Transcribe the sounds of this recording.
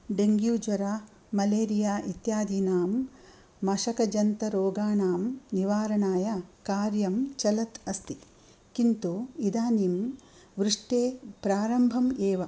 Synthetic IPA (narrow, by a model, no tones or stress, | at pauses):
ɖeŋɡjuːd͡ʒʋɐɾaː | mɐleːɾijaːʔit̪jaːd̪iːnaːm | mɐʃɐkɐd͡ʒɐnt̪ɐɾoːɡaːɳaːmniʋaːɾɐɳaːjɐkaːɾjɐmt͡ʃɐlɐt̪ɐst̪i | kint̪uid̪aːnim | ʋɾuʂʈeːpɾaːɾɐmbʱɐmeːʋɐ